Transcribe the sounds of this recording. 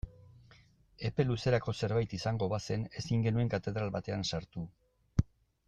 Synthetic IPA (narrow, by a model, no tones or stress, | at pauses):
e̞pe̞luse̞ɾako̞se̞ɾβajt̪isaŋɡo̞βase̞ne̞siŋɡe̞nue̞ŋkat̪e̞ðɾalβat̪e̞ansaɾt̪u